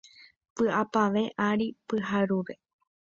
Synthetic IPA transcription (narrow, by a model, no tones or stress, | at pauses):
pɨʔapaʋe̞ʔaɾipɨɦaɾuʋe̞